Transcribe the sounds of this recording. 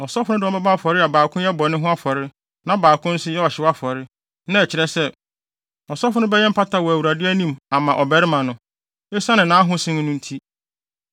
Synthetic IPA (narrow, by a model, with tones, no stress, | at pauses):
ɔ˨sɔ˦fʊ˦nʊ̃˦dɪ˨ɔ˦bɛ˦ba˦˨fɔ˨ɾɪ˦a˨baː˨kʰʊ̃˦jɛ˦bɔ˨nɪ̃˦ɦʊ̃˦a˦fɔ˨ɾɪ˦ | nã˦baː˨kʰʊ̃˦n̩˦sʊ˦jɛ˦ɔ˨ɕɪ˨˦wa˦fɔ˨ɾɪ˦ | nã˦ɛ˨t͡ɕʰɪ˨ɾɛ˦sɛ˦˨ | ɔ˨sɔ˦fʊ˦nʊ̃˦bɛ˦jɛ˦m̩˦pʰa˦tʰa˨wɔ˨æ˨wu˨ɾa˨dɪ˦æ˦nĩ˦ma˨mã˨ʔɔ˨bæ˦ɾɪ˦mã˨nʊ̃˨ | e˦sa˦nɪ̃˨nãː˨˦a˦ɦʊ̃˦sɪ̃˦ñ˦nʊ̃˦n̩˦tʰi˦